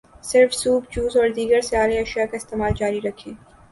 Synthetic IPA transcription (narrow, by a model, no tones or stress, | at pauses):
sɪɾfsuːbd͡ʒuːzɔːɾd̪iːɡəɾsjaːleɐʃjakaɪst̪eːmaːld͡ʒaːɾiɾɐkʰːeː